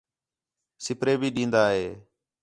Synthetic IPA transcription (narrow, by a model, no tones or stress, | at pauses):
sɪpɾeːbʱiːɗĩːnd̪aːɦeː